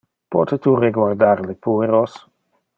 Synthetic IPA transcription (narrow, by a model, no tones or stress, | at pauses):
pɔ̰t̪et̪ureɡwaɾd̪aɾlepueɾos